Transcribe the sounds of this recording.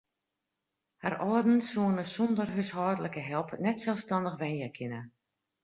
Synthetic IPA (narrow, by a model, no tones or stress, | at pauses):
harɔədn̩suənəsɔndərɦøsɦɔːdələkəɦɛlˠpnɛtsɛlˠfstɑndəxʋɛnjɛkʰɪnə